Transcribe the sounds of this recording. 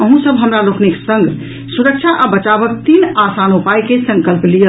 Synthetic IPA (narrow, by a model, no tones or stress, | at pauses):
əɦũsəbɦəmɾalokniksə̃ŋɡ | suɾək̚t͡ʃʰaʔabət͡ʃabək̚t̪inasanupajkesə̃ŋkəlplijə